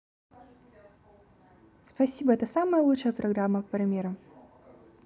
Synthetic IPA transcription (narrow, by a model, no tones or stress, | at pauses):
spɐsʲibəɛt̪əsaməjəlˠuʂəjəpɾʔɐɡɾamːəpɾɐmʲeɾɐ